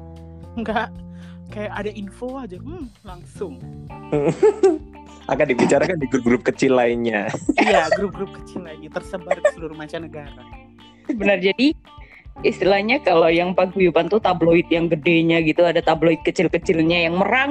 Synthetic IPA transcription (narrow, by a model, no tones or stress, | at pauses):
ŋɡaʔ | kajaadainfoad͡ʒalaŋsʊŋ̩ | ʔa̰kadibit͡ʃaɾakandiɡɾʊp̚ɡɾʊp̚kət͡ʃɪlːainɲaijaɡɾup̚ɡɾʊp̚kə̥t͡ʃilːainɲat̪ərsəbarɡisəluɾumat͡ʃanəɡaɾa | bənərd͡ʒadi | ist̪ilahɲakalojaŋpaɡujupant̪ut̪abloɪt̪̚jaŋɡədeɲaɡit̪uadat̪abloɪt̪̚kət͡ʃɪlkət͡ʃɪlɲajaŋməɾaŋ